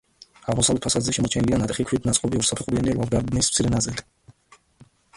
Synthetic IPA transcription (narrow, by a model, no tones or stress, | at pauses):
aʁmɔsavlɛt̪ʰpʰasad̪zɛʃɛmɔt͡ʃʰɛnilianat̪ʼχikʰwid̪nat̪sʼqʼɔbiɔɾsapʰt̪χuɾianiɾvalˠɡaɾd̪nismt̪sʰiɾɛnazɛd̪